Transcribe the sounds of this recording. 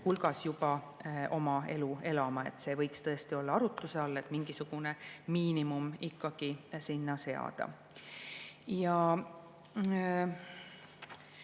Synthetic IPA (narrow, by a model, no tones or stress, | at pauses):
hulɡɑsjub̥ɑ | ʔo̞mɑe̞lue̞lɑmɑe̞̰t̪ːˑse̞ːvɤ̞jkst̪ɤ̞est̪io̞lːɑɑɾut̪ːˑuseɑlːe̞t̪ˑmiŋɡ̥isuɡ̥unemiːnimumikːɑɡ̥isinːɑse̞ɑ̰d̪̥ɑ̰ | jɑ